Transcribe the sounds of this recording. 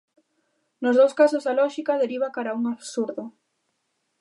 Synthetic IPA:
nʊzðowskasozðalɔʃikaðeɾiβ̞akaɾauŋaβsuɾðʊ

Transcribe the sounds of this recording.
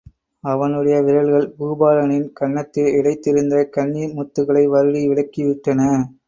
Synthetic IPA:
ɐʋɐnɯɽɐjɐʋɪɾɐɭɣɐɭbuːbaːlɐnɪnkɐɳːɐt̪ːɪlɪɽɐɪt̪ːɪɾɯnd̪ɐkɐɳːimʊt̪ːɯɣɐɭɐɪʋɐɾɯɻiʋɪɭɐkːiʋɪʈːɐnɐ

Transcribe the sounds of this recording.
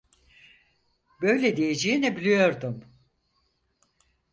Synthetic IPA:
bø̞jlʲed̪ijed͡ʒeinɛbilʲijo̞ɾd̪um

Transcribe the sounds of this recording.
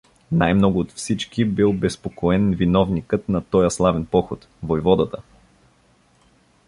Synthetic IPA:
najmnɔɡʊːt̪fsit͡ʃkibilˠbɛspokoɛnvinɔvnikət̪nɐt̪ɔjɐslˠavɛnpɔxot̪ | vojvɔd̪ət̪ə

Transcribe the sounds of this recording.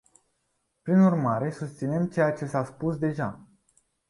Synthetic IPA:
pɾinurmaɾe̞sust̪sine̞mt͡ʃe̞jat͡ʃe̞saspusd̪e̞ʒa

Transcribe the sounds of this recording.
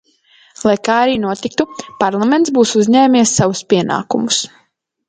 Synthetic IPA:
lˠajkaːɾiːnuɔt̪ik̚t̪upaɾlˠament̪sbuːsuzʲɲɛːmiɛsːawuspʲiɛna̰ːkumus

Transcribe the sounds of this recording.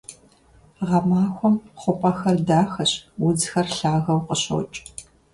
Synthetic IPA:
ʁɐmaːxʷɔmχʷʊpʼɐxɐrdaːxɐɕwʊzxɐrɬaːɣɐwqəɕo̰t͡ʃʼ

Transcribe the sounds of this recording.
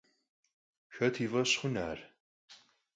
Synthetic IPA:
xɐtʰiːvɐɕχʷʊna̰ːr

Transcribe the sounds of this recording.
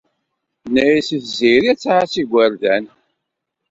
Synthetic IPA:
næjisiθziɾiæt͡sːahasiɡʷæɾðæn

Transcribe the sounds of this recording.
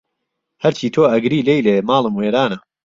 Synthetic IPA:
hɐɾt͡ʃʰiːt̪ʰoːɐɡɾiːlejleːmaːlˠɨmweːɾaːnɐ

